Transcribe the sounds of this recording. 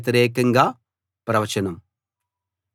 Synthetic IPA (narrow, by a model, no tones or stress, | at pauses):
t̪ɐɾeːkːɐŋɡa | pɾɐʋɐt͡ʃɐnɐm